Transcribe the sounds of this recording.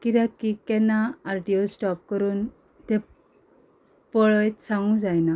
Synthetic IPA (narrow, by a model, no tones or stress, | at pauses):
kiɾakikːɛnːaːɾʈiosʈɔp̚kəɾuːn | t̪ɛ̃ | pɔɭɔjt̪sãŋɡũd͡zajna